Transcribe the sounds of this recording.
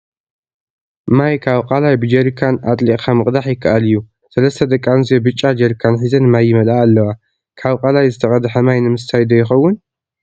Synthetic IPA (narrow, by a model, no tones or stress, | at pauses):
majkʰaβqʼalajbɨd͡ʒɐɾkʰanat̪ʼliʔʼkʰamɨqʼd̪aħjɪkʰːaʔalɨjːu | sɐlɐst̪ʰɐd̪ɐkʼːanzijobɨt͡ʃʼːad͡ʒɐɾkʰanħizɐnɨmajːɪmɐlaːlːɐwa | kʰaβqʼalajzɨt̪ʰɐkʼɐd̪ħɐmajnɨmɨst̪ʰajd̪ɐjːɪxɐwːʊn